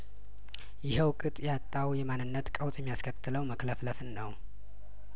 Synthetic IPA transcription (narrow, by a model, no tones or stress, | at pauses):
jɪhəwkʼɨt̪ʼjat̪ʼːawjɛmanːɨnːət̪kʼəwsʼjɛmːjaskʰət̪ʰːɨləwməkləfləfɨnːəw